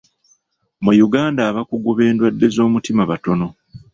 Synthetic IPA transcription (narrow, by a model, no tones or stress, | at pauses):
mujuɡaːndaːβakuɡuβe̞ːndwadːe̞zo̞ːmutimaβato̞no̞